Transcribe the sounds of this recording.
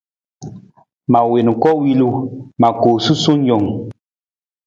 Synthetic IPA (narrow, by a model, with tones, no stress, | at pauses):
ma˨we˨n˨kɔ˦wi˦lu˦ma˨koː˨su˦so˦n˦jɔ˨ŋ